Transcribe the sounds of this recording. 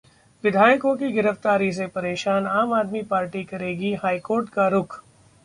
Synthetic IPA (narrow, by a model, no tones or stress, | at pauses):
ʋɪd̪ʱaːjkõkiɡɪɾəft̪aːɾis̬epɐɾeːʃaːnaːmaːd̪mipaːɾʈikɐɾeːɡiɦaːikoːɾʈkaɾʊkʰ